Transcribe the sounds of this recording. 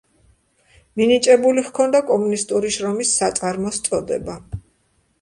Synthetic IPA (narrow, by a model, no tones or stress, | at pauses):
minit͡ʃʼɛbuliʁkʰɔnd̪akʼɔmunist̪ʼuɾiʃɾɔmisːat̪sʼaɾmɔst̪sʼɔd̪ɛ̰ba